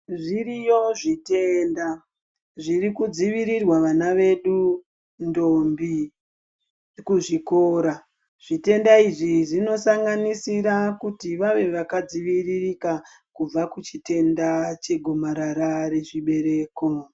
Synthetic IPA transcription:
ʐirijo̞ʐite̞ːnda | ʐirikud͡ziʋiɾirwaʋanaʋe̞ɗu | ndo̞mbi | kuʐiko̞ːɾa | ʐ̥ite̞ndaiʐiʐino̞saŋɡanisiɾakutiʋaʋe̞ʋakad͡ziʋiririka | kub͡vakut͡ʃite̞ndat͡ʃe̞ɡʱomaɾaɾaɾe̞ʐiɓe̞ɾe̞ːko̞

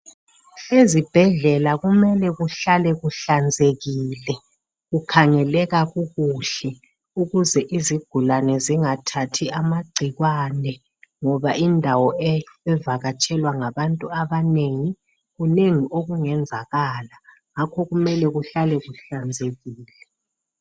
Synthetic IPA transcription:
ezib̥ʱɛɮɛlaɣumɛlɛɣuɬalɛɣuɬand͡zʱeɣiːlɛ | ɣukʰaŋɛlɛɣaɣuɣuɬɛ | uɣuzɛʔiziɡ̥ʱulanɛziŋatʰatʰiamaɡ͡ǀʱiɣwaːnɛ | ŋɔβaʔindʱawɔɛɛvaɣat͡ʃʼʰɛlwaŋaβantʼuaβaneŋi | ɣuneŋiʔoɣuŋɛnd͡zʱaɣaːla | ŋakʰɔɣumɛlɛɣuɬalɛɣuɬand͡zʱeɣiːlɛ

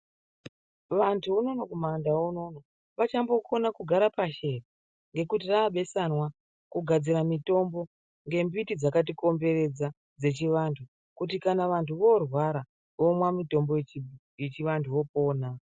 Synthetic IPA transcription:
ʋantʰuuno̞nokumandaono̞no | ʋat͡ʃambo̞ko̞nakuɡʱaɾapaʃe̞ra | ŋɡe̞kutiraːɓe̞sanwa | kuɡʱad͡ziɾamito̞mbo̞ | ŋɡe̞mbitid͡zakat̬iko̞mbe̞re̞d͡za | d͡ze̞t͡ʃiʋantʰu | kut̬ikanaʋantuʋo̞rwaɾa | ʋo̞mwamito̞mbo̞jet͡ʃi | jet͡ʃiʋantʰuo̞po̞ːna

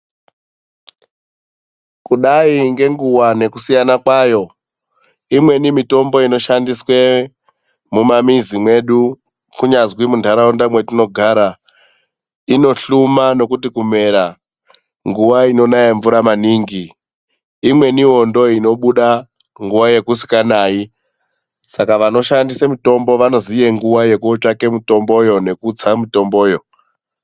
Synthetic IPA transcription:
kuɗaiŋɡe̞ŋɡuwane̞kusijanakwajo̞ | imwe̞nimito̞mbo̞ino̞ʃandiswe̞ | mumamizimwe̞ɗu | kuɲazwimundʱaɾaundamwetuno̞ɡʱaːɾa | ino̞ɬumano̞kutikume̞ɾa | ŋɡuʋaino̞najeɱvuɾamaniːŋɡiː | mwe̞niwo̞ndo̞ino̞ɓuɗa | ŋɡuwaje̞kusi̥kanaːi | sakaʋano̞ʃandisamito̞mbo̞ʋano̞zijeŋɡuwaje̞kuot͡ʂake̞muto̞mbo̞jo̞ne̞kut͡samito̞mboːjo̞

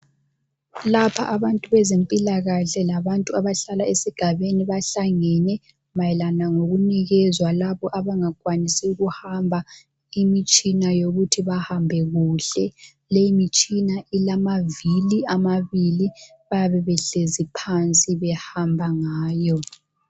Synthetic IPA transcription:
lapʰaʔaβantʼuβɛzempʼilaɣaɬɛlaβantʼuaβaɬalaesiɡ̥ʱaβeniβaɬaŋɛnɛ | majɛlanaŋoɣuniɣɛzwalaβɔʔaβaŋakʼwanisiuɣuhambʱa | imit͡ʃʼinajoɣutʰiβahambʱɛɣuɬɛ | lejimit͡ʃʼinailamaviliamaβili | βajaβɛβɛɬezipʰant͡sʼiβɛhambʱaŋaːjɔ

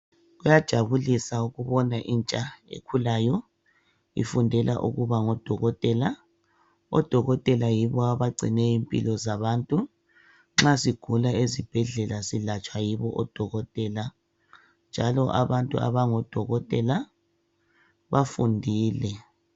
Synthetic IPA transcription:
ɣujad̥ʒ̥ʱaβulisauɣuβɔnaʔint͡ʃʼaḛkʰulajɔ | ḭfundʱɛla̰ʔṵɣuβaŋɔd̥ʱɔɣɔtʼɛla | ɔ̰d̥ʱɔɣɔtʼɛlajiβɔaβaɡ͡ǀʱḭnɛimpʼḭlɔzaβaːntʼu | ŋ͡ǁasiɡ̥ʱulaezib̥ʱɛɮɛlasilat͡ʃʼwajiβɔʔɔd̥ʱɔɣɔtʼɛːla | nd͡ʒʱalɔʔa̰βantʼṵa̰βaŋɔd̥ʱɔɣɔtʼɛla | βafundʱiːlɛ

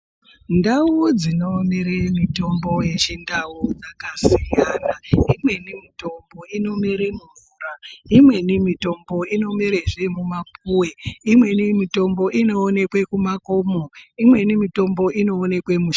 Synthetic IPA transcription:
ndaud͡zino̞miɾemito̞mbo̞je̞t͡ʃindaud͡zakasijanaimwe̞nimito̞mbo̞ino̞miɾemuɱvuːraimwe̞nimito̞mbo̞ino̞miɾeʐemumapuweimwe̞nimito̞mbo̞ʔino̞ːne̞kwe̞kumakomoimwe̞nimito̞mbo̞ʔino̞ːne̞kwe̞muʃ

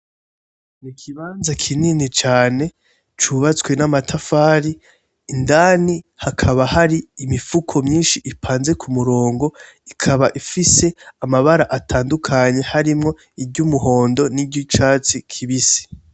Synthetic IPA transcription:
nikʰiβaːnzakʰininit͡ʃaːne̞ | t͡ʃuβat͡swe̞namatʰafaːɾi | ndaːnihakʰaβahaɾiːmifukʰo̞mɲiːnʃiʔipʰaːnze̞kʰumuɾo̞ːŋɡo̞ | ikʰaβaʔifiseamaβaɾaʔatʰaːndukʰaɲe̞haɾimŋo̞ | ibɟumuɦo̞ːndo̞nibɟit͡ʃaːt͡sikʰiβisi̥

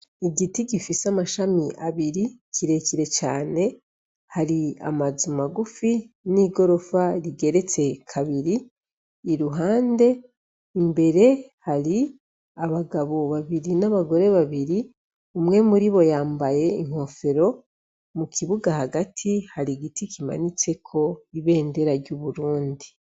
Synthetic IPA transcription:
iɡitiɡifisamaʃamiʔaβiɾikʰiɾe̞ciɾe̞t͡ʃaːne̞ | haɾia̰mazumaɡufi | niːɡo̞ɾo̞faɾiɡe̞ɾe̞t͡se̞kʰaβiɾiː | ɾuɦaːnde̞ | imbe̞ɾe̞haɾi | aβaɡaβo̞βaβiɾinaβaɡo̞ɾe̞βaβiɾi | umŋe̞muɾiβo̞jaːmbaje̞iŋ̥ho̞fe̞ɾo̞ | mukʰiβuɡahaɡatʰihaɾiɡitikima̰nit͡se̞kʰo̞iβe̞ːnde̞ɾaɾɟuβuɾuːndi

